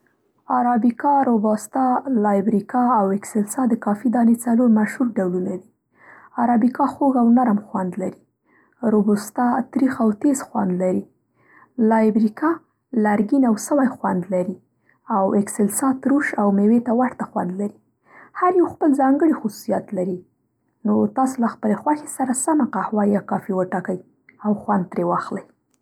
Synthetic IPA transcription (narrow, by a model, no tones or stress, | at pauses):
aɾɑbikɑɾobɑst̪ɑlɑjbɾikɑawɪksɪlsɑd̪əkɑfid̪ɑnet͡saloɾmaʃhuɾɖawlunad̪i | aɾɑbikɑxoɣawnaɾamxwand̪laɾi | ɾobust̪ɑt̪ɾixawt̪ezxwa̰nd̪laɾi | lɑjbɾikɑ | laɾɡinawsəwajxwand̪laɾi | awɪksɪlsɑt̪ɾuʃawmewet̪awaɾt̪axwa̰nd̪laɾi | haɾjawxpəlzɑŋɡəɽixʊsu̥sijat̪laɾi | not̪ɑsolaxpəlexwaxe̥saɾasamaqahwɑjɑkɑfiwəʈɑkəj | awxwand̪̚t̪ɾewɑxləj